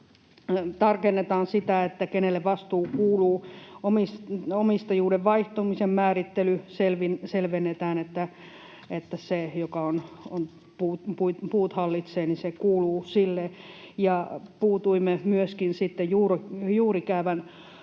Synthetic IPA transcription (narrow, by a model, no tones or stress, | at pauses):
t̪ɑrkenːet̪ɑːnsit̪æet̪ːækenelːeʋʋɑst̪uːkuːluːomisomist̪ɑjuːdeʋʋɑiht̪omisemmæːrit̪ːelyselʋinselʋenːet̪æːnet̪ːæ | et̪ːæsejokɑonon | puːt̪puit̪puːt̪hɑlːit̪seːnisekuːluːsilːejɑpuːt̪uimːemyøskinsit̪ːejjuːrojuːrikæyʋæn